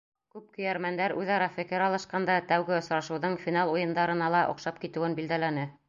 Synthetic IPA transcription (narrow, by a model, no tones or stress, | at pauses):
kʉp̚kɵ̆jæɾmænd̪æɾʉðɑɾɑfɘ̆kɘɾɑlˠɤ̆ʃqɑnd̪ɑt̪æwɡɘŏsɾɑʃɤ̆wðɤɴfʲinɑlˠujɤ̆nd̪ɑɾɤ̆nɑlˠɑʔŏ̰qʃɑp̚kit̪ɘ̆wɘnbild̪ælænɘ